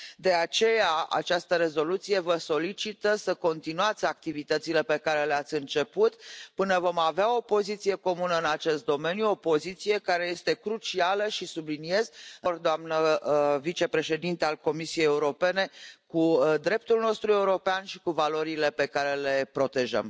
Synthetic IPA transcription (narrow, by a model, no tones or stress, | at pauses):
d̪e̞at͡ʃe̞jaa̰t͡ʃast̪əɾe̞zo̞lut̪sije̞vəso̞lit͡ʃit̪əsəko̞nt̪inuat̪sʲak̚t̪ivit̪ət̪sile̞pe̞kaɾe̞leat̪sʲɨnt͡ʃe̞put̪pɨnəvo̞maveao̞po̞zit̪sije̞ko̞munəɨnat͡ʃe̞st̪̚d̪o̞me̞njuo̞po̞zit̪sije̞kaɾe̞je̞st̪e̞kɾut͡ʃialəʃisublinije̞zɨrd̪oamnəvit͡ʃe̞pɾe̞ʃe̞d̪int̪ealko̞misije̞jeuɾo̞pe̞ne̞kud̪ɾe̞p̚t̪ulno̞st̪ɾue̞uɾo̞peanʃi̥kuvalo̞ɾile̞pe̞kaɾe̞le̞pɾo̞t̪e̞ʒə̰m